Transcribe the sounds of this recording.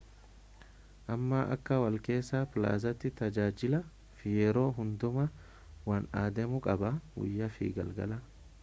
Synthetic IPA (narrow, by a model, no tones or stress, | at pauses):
ʔɐmːɐʔɐ̰kːɐwɐlke̞ːsːaːpɪla̰ːzɐt̪ːɪt̪ɐd͡ʒaːd͡ʒɪlɐ | fɪjɛɾo̞ːɦʊnd̪ʊmɐ | wɐnaːd̪ɛmʊkʼɐbɐwʊ̰jːɐfḭːɡɐ̰lɡɐ̰lɐ